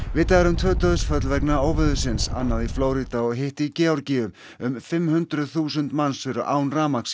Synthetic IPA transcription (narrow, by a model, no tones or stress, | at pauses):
vɪt̪aɣɾʏmt̪ʰvœːt̪œðʏsfœt̪lvɛknaoːwvʏðʏsɪnsa̰nːaðifloːwɾit̪aɔɣɦeht̪icɪːawɾcɪːʏm | ʏmfɪmhʏnt̪ɾʏðθuːsʏnt̪mansfɪɾʏʔaːwnraːmaks